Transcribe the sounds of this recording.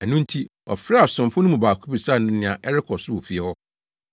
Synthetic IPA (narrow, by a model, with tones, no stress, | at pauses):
æ˨nũ˦n˦tʰi˦ɔ̰˨fɾa˦a˨sʊ̃˨mfʊ̃˦nʊ̃˦mũ˨baː˨kʰu˦bi˨saː˦˨nʊ̃˦nɪ̃˦˨ã˨ʔɛ˦ɾɪ˦kʰɔ˨sʊ˦wʊ˨fi˦ɛ˦hɔ˦